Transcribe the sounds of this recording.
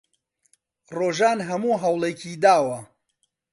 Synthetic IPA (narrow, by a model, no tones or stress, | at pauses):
roːʒaːnɦɐmuːɦɐwlˠecʰiːd̪aːwɐ